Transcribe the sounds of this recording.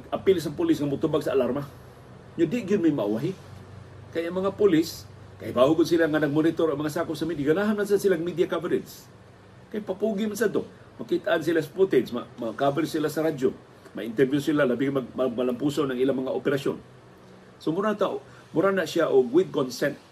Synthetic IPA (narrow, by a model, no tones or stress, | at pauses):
ʔapɪls̬aŋpʊlɪsŋamʊt̪ʊbaɡ̚saːlaɾma | ɲʊd̪ɪʔɡɪd̪majmaʔa̰waɦɪ | kajaŋmɐŋapʊlɪs | kahibahʊɡʊd̪̚silaŋanɐɡ̚monɪt̪oɾaŋmɐŋasaːkʊp̚samid̪aɡanaɦamnansansilaŋmidijakavaɾɪt̪s | kajpapuɡɪmans̬ad̪t̪o | makit̪aʔans̬ilasḁput̪ɛd̪sma̰makabaɾɪsilasaɾad͡ʒo | ma̰ʔɪnt̪ɛɾvjʊsilalabiɡmaɡmaɡ̚malampuːsonaŋʔilamɐŋaʔopɛɾaso̰n | somʊɾat̪a | mʊɾanaʔsjaʔoɡwɪd̪̚konsɛnt̪̚